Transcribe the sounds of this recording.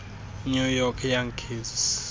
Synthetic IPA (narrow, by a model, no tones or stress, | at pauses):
ɲujɔkʰjaŋkʰizs